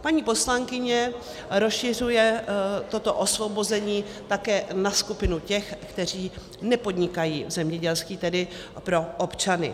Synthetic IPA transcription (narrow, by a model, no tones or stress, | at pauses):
paɲiːpo̞slaŋkɪɲɛ | ɾosʃɪr̝ujɛt̪o̞t̪o̞ʔo̞svo̞bozɛɲiːt̪akɛːnaskupɪnucɛxkt̪ɛr̝iː | nɛpo̞d̪ɲɪkajḭːvzɛmɲɛɟɛlskiːt̪ɛdɪ | pɾo̞ʔopt͡ʃanɪ̰